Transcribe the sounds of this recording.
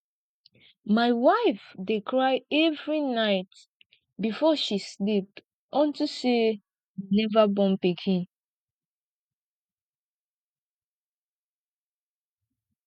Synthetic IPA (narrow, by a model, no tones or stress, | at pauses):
maɪwaɪfdekʰɹaɪɛvɹinaɪt | bifɔʃislip̚ | ɔ̃ntuse | inɛvabɔ̃npikʰĩn